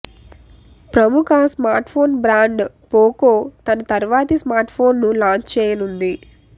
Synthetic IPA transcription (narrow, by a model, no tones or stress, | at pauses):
pɾɐmukʰɐsmaːɾʈpʰo̞ːnbɾaːɳɖ | poːkoːt̪ɐnɐt̪ɐɾʋaːt̪ismaːɾʈpʰo̞ːnːulaːɲt͡ʃt͡ʃɛːjɐnund̪i